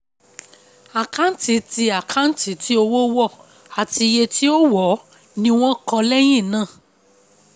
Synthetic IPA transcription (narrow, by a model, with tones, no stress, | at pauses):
a˨kã˦n̩˦ti˨˦ti˧a˨kʰa˨˦n̩˦ti˨˦ti˦o˧wo˦wɔ˦˨ | a˨ti˧je˧ti˦o˦wɔ˨˦ | nĩ˧w̃ɔ̃˦kɔ˧lɛ˦j̃ĩ˦˨nã˦˨